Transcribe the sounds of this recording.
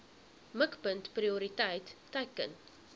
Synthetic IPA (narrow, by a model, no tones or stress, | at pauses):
məkpəntpriuɾitɐjtː | ɐjkə̰n